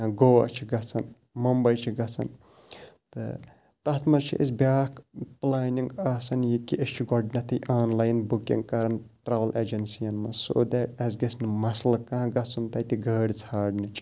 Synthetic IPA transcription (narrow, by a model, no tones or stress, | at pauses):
ɡoːʋɐ̰t͡ʃʰiɡɐsɐn | mɐmbɐjt͡ʃʰiɡɐsɐ̰n | t̪ɨ̰ | t̪ɐt̪ʰmɐt͡ʃʰḭʔes̬bʲjaːkplaːniŋɡaːsɐnjikiʔest͡ʃʰiɡɔɖnɐt̪ʰɐjʔaːnlaːjnbukḭŋɡkɐɾɐnʈɾaːʋɐlʔeːd͡ʒɐnsijɐnmɐso̰ːd̪ɛʈɐzɡesnmɐslɐkãːɡɐsunt̪ɐt̪iɡɐːɽʲt͡sʰaːɖnit͡ʃʰʼ